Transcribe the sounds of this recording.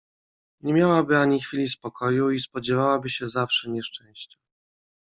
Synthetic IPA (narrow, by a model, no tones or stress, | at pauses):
ɲɛmʲjawabɘaɲixfʲilʲispɔkʰɔjuispɔd͡ʑɛvawabɘɕɛzafʂɛɲɛʂt͡ʂɛ̃w̃ɕt͡ɕɛ̥